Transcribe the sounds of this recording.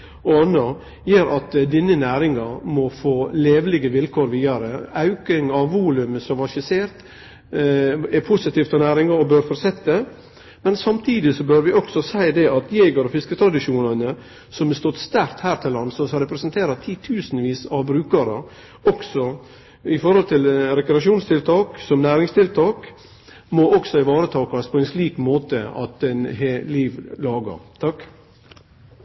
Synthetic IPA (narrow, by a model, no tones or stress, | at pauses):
oɑnːə | jeːɾʔɑt̪d̪ɪnːənæːɾɪŋɑɾmɔfoːleːʋlɪɡəʋɪlkʰoːɾʋiːd̪ɑɾəɑʉkɪŋɑʋʋuːlʉməsɔmʋɑʃɪseːɾt̪ | ɛpʰʊsɪt̪iːft̪ɔnæːɾɪŋɑɾɔbøːɾfɔɾsɛt̪ːə | mɛnsɑmt̪ʰiːd̪ɪsɔbøːɾʋɪɔksɔsæɪd̪ɛɑt̪jeːɡɑɾɔfɪskət̪ʰɾɑd̪ɪʃuːnɑnə | sɔmɛst̪ɔt̪ːst̪æɾkt̪hæːɾt̪ʰɪlːɑnːsɔsɾɛpɾɛsənt̪ʰeːɾɑt̪ʰiːt̪ʰʉːsnʋiːsɑʋbɾʉːkəɾə | ɔksɔ | ɪfɔɾhɔlt̪ʰɪlɾɛkɾɛɑʂuːnst̪ʰɪlt̪ʰɑːksɔmnæːɾɪŋst̪ʰɪlt̪ʰɑːk | mɔʔɔksɔɪʋɑːɾət̪ʰɑːkɑspʰɔɛɪnsliːkmoːt̪əɑ̰t̪ɛnɦeliːʋlɑːɡə̰ɾt̪ʰɑk